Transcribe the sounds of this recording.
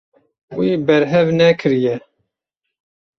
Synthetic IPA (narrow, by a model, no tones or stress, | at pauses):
wiːbɛɾɦɛvnɛkʰɨɾjɛ